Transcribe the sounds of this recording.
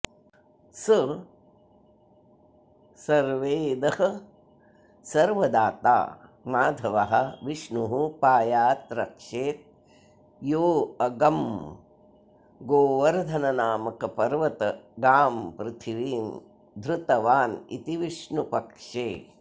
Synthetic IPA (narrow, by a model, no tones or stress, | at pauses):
sɨ | sɐɾʋeːd̪ɐhɐ | sɐɾʋɐd̪aːt̪a̰ːmaːd̪ʱɐʋɐɦɐ̆ʋiʂnuɦupaːjaːt̪ɾɐkʂeːt̪̚ | joːɐɡɐm | ɡoːʋɐɾd̪ʱɐnɐnaːmɐkɐpɐɾʋɐt̪ɐɡaːmpɾɪt̪ʰiʋiːn | d̪ʱɾut̪ɐʋaːnḭt̪iʋiʂɳupɐkʂeː